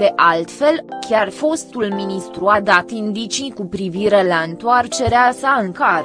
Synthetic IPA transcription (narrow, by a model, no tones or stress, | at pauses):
d̪eʔalt̪fe̞lkʲarfo̞st̪ulminist̪ɾuad̪at̪ind̪it͡ʃikupɾiviɾe̞laɨnt̪oart͡ʃe̞ɾeasaɨŋka